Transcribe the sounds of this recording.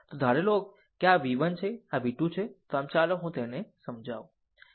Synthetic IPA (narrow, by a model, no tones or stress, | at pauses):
t̪od̪ʱaɾelok̚ː | eaʋiʋənt͡ʃʰeaʋiʈũt͡ʃʰet̪oamt͡ʃaloɦũt̪enesəmd͡ʒʱaũ